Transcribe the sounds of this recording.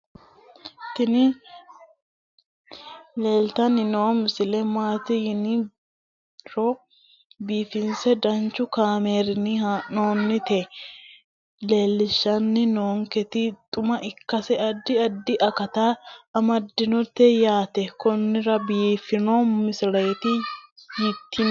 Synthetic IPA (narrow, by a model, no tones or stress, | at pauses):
tɪnɪ | leːlt̪ɐnɪnoːmɪsɪlɛmaːt̪ɪjɪnɪ | ɾɔ | biːfɪnsɛd̪ɐnt͡ʃːʊkaːmeːɾɪnɪhanoːnːɪt̪eː | le̞ːlːɪʃːɐnːɪnoːŋkɛt̪ɪt̪ʼʊmɐʔɪkːɐsɛɐd̪ːɪɐd̪ːɪʔɐkɐt̪aːɐmɐd̪ːɪnɔt̪ːɛjaːt̪ɛkɔnːɪɾɐbiːfɪnoːmɪsɪɾɐjɛt̪ɪjɪt̪ːɪn